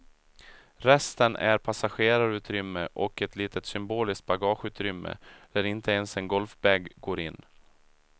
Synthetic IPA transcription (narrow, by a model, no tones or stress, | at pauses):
ɾɛst̪ənʔæɾpʰasaɧeːɾaɾʉ̟ːt̪ɾʏmːəʔɔkɛt̪ʰliːt̪ət̪sʏmboːlɪskt̪̚baɡɑːɧʉ̟ːt̪ɾʏmːə̰d̪̥æɾɪnt̪ʰəɛnsɛnɡɔlfbɛːɡɡoːɾɪnː